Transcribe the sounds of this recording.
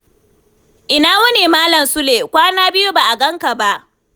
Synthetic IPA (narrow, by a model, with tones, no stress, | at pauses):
ʔɪ˨naː˦wɐ˦neː˨maː˦lɐ˨msʊ˦leː˨kʷaː˦naː˦bɪ˦ju˦ba˨ʔa˨ɡɐ˦ŋka˨ba˦ʔ